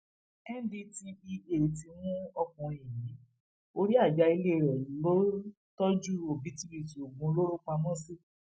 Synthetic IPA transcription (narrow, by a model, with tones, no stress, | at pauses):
ɛ˦n˦di˧ti˧i˧e˨ti˧wũ˦ɔ˧kɔ̃˧i˨jĩ˨˦ | o˧ɾi˦a˦˨d͡ʒa˨˧i˧le˦˨ɾɛ˨lo˦ | tɔ˦d͡ʒu˦ɾo˨bi˨˦ti˦bi˨ti˨o˨ɡ͡bũ˧˦lo˦ɾo˦k͡pã˧mɔ̃˦˨si˦˨